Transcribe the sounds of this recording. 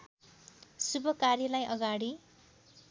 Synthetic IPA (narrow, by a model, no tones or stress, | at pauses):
subʌkarjilajʔʌɡaɽi